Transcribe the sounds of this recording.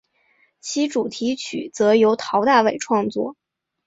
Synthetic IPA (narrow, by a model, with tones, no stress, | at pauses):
t͡ɕʰi˧˥ʈ͡ʂu˨˩t̪ʰi˧˥t͡ɕʰy̰˨˩t͡sɤ˧˥jo˧˥ʊt̪ʰɑ˧˥ʊt̪a˥˩we˨˩ɪʈ͡ʂʰwɑ˥˧ŋt͡swɔ̰˥˩